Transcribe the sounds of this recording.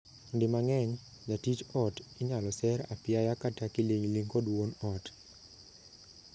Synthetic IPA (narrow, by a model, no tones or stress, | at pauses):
ndɪmaŋɛɲ | d͡ʒatit͡ʃɔtiɲalɔsɛɾa̰pjajakatakileɲliŋɡɔdwonɔt